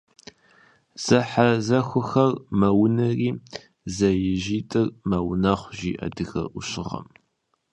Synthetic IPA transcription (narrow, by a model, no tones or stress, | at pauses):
z̥ɐħazɐxʷʊxɐrmɐwnɐriː | zɐjɪʒiːtʼɨrmɐwnɐχʷʒiːʔɐ̰dɨxɐ̰ʔʷʊɕɪʁɐ̰m